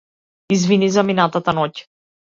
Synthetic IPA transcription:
izvinizaminat̪at̪anɔc

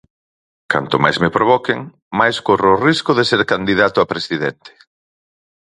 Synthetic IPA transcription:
ka̰nt̪ʊmajzmepɾoβ̞ɔkɪŋ | majskorʊːriskʊðeseɾkand̪iðat̪ʊapɾesiðent̪e̥

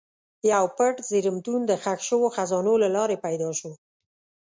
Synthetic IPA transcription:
jawpəʈziɾəmt̪und̪əxaxʃəwoxazɑnolalɑɾepajd̪ɑʃo

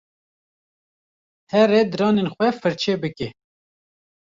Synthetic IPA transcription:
hɛrɛd̪ɨɾɑːnenxʷɛfɨɾt͡ʃʰeːbɨke

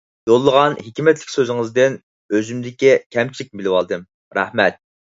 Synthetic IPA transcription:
jolˠːəʁɑnhikʲmɛt̪lɪkʲsøzɪŋɨzd̪ɪn | øzymd̪ɪkʲikʲʰɛmt͡ʃʰilɪk̚ʲɪbɪlɪwɑ̰lˠd̪ɨm | ɾæ̰hmɛt̪̚

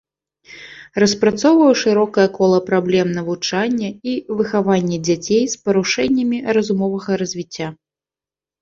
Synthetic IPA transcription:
rɐspɾat̪sɔwvɐwʂɨɾɔkɐjɐkɔlˠɐpɾablʲɛmnɐvut͡ʂanʲːɐivɨxavanʲːɛd͡zʲat͡sʲejspɐɾuʂɛnʲːɐmʲirɐzumɔvɐɣɐɾɐzʲvʲit͡sʲːa

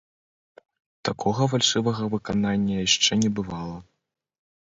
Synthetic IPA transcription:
t̪akʰɔɣɐvalʲʂɛvɐɣɐvɨkananʲːɐjaʂt͡ʂɛnʲɛbɨvalˠɐ

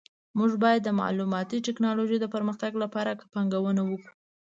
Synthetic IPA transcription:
muʒbɑjad̪ːəmɑ̰lumɑt̪iʈɪknɑloʒejd̪əpəɾməxt̪aɡlapɑɾakə̥paŋɡawənawəku̥

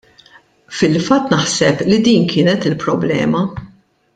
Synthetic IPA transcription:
fɪlfɐt̪ːnɐħsɛplid̪iːnkʰɪːnɛt̪ɪlpɾɔblɛ̰ːmɐ

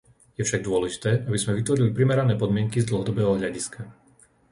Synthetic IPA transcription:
jɛfʃaɡ̚d̪ʊɔlɛʒit̪ɛːʔabizmɛʋit̪ʋɔɾilipɾimɛɾanɛːpɔd̪mɪɛŋkizd̪l̩ˠɦɔd̪ɔbɛːɦɔɦʎaɟiskʰa

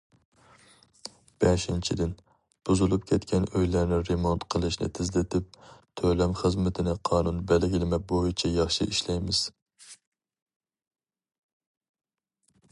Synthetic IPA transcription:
b̥ɛʃint͡ʃʰid̪ɪn | b̥uzulˠup̚kʲʰɛt̪kʲʰɛnøjlæɾnɪɾemont̪qʰəlˠɨʃnɪ̰t̪ʰɪzlɪt̪ʰɪp̚t̪ʰølɛmχəzmɪt̪ʰɪnɪqʰɑːnunbɛlɡʲɪlɪmɛbojit͡ʃʰɛjɑχʃɨʔiʃlɛjmɪz̥

